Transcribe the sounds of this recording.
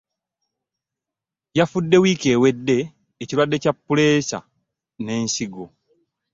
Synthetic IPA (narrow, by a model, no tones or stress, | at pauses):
jafudːe̞wiːke̞ːwe̞dːe̞ː | ciɾwadːe̞capːule̞ːsa̰ | ne̞ːnsiɡo